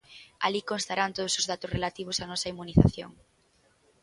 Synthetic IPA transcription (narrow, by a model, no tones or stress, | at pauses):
a̰likõnst̪aɾant̪oð̞ʊsʊzð̞at̪ʊsrelat̪iβ̞ʊsanɔsɐimuniθa̰θjo̰ŋ